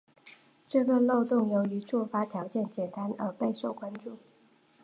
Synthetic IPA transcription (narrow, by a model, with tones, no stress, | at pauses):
ʈ͡ʂɤ˥˩ɡə˨lo˥˧ʊt̪ʊ˥˩ŋjo˧˥ʊy˧˥ʈ͡ʂu˥˩fa˥t̪ʰjɑ˨˧˥ʊt͡ɕjɛ˥˩nt͡ɕjɛ˨˩nt̪a˥nə˧˥pe˥˧ɪʂo˥˩ʊkwa˥nʈ͡ʂu˥˩